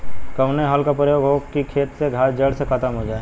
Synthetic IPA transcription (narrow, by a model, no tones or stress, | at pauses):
kɐʋneɦaːlkapɾəjoːɡɦoːkikʰeːt̪seɡʱaːsd͡ʒəɽsexət̪əmɦod͡ʒaːe